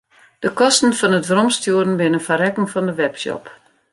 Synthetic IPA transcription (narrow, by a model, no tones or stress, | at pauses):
d̥əkɔstn̩fɔnətʋrɔmstjuəɾn̩bɪnənfaɾɛkŋ̩fɔndəʋɛpsɔ̰p